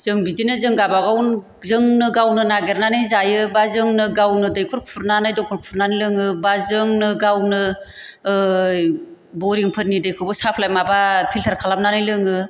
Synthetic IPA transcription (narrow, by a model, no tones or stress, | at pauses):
z̥ɯŋbizinɯzɯŋɡabaɡawn | zɯŋnɯɡawnɯnaɡeɾnanɯjzajɯbazɯŋnɯɡawnɯdɯjkʰuɾkʰpʰuɾnanajdɔŋkʰuɾkʰpʰuɾnanɯjlɯŋɯbazɯŋnɯɡawnɯ | bɔɾiŋpʰɯɾnidɯjkʰɯbɯsapʰlajmabapʰiltʰaɾkʰalam̚nanɯjlɯŋɯ